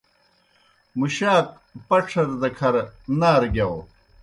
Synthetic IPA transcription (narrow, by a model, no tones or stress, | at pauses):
muɕaːk̚ | pɐʈ͡ʂʰɐɾd̪ɐkʰɐɾnaːɾɡjaw